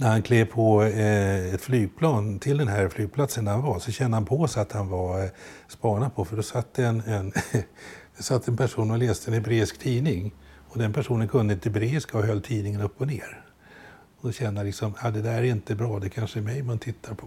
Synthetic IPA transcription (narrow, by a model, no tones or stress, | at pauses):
næɾhankʰleːvpʰɔ | ɛt̪flyːɡ̚pʰlɑːnt̪ʰɪld̪ɛnɦæɾflyːɡ̚pʰlat̪sənd̪æhanvasɔɕɛnd̪əhanpʰɔsat̪hanvaspɑːɳad̪pʰɔfəɖɔsat̪ːd̪ɛɛnɛn | sat̪ʰːɛnpʰæʂuːnɔleːst̪əɛnhɛbɾeːɪskt̪ʰiːnɪŋ | ɔd̪ɛnpʰæʂuːnənkʰɵnd̪əɪnt̪əɛbɾeːɪskaɔɦœlːt̪ʰiːnɪŋənɵpːɔneːɾ | ɔd̪ɕɛnːəlɪksɔmad̪ɛd̪æɾɾæɪnt̪əbɾɑːd̪ɛkʰanʂəmɛjmant̪ʰɪt̪ʰːaɾpʰɔ